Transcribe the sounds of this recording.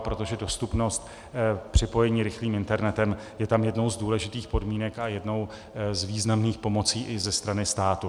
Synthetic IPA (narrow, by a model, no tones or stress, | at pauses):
pɾo̞t̪o̞ʒɛdo̞st̪upno̞st̪ | pr̝̥ɪpo̞jɛɲiːɾɪxliːmɪnt̪ɛɾnɛt̪ɛm | jɛt̪amjɛdno̞wzduːlɛʒɪt̪iːxpo̞dmiːnɛkajɛdno̞w | zviːznamniːxpo̞mo̞t͡siːʔɪzɛst̪ɾanɪst̪aːt̪u